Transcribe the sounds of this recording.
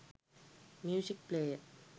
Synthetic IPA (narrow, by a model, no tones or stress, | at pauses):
mjuːsik̚pleːjə